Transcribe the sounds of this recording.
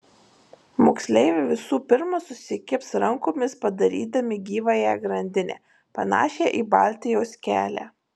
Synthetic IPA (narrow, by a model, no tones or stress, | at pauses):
moksʲlʲɛɪʋʲeʋʲɪsuːpʲɪɾmɐsʊsʲɪkʲɪpsɾɐŋkoːmʲɪspɐd̪ɐɾʲḭːd̪ɐmʲɪɡʲiːʋɐjɛɡɾɐnʲd̪ʲɪnʲḛː | pɐnɑ̰ːʃʲeʔiːbɑ̰ˑlʲt̪ʲɪjoːskʲæːlʲæ̰ː